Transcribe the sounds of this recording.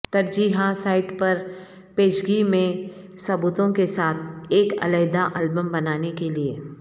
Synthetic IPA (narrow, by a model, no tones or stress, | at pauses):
t̪ɐɾd͡ʒiːɦasaːɪʈpɐɾ | peːʃɡimẽ | sɐbuːt̪õkesaːt̪ʰeːkɐ̰ləɦd̪aʔəlbəmbɐnaːnekelie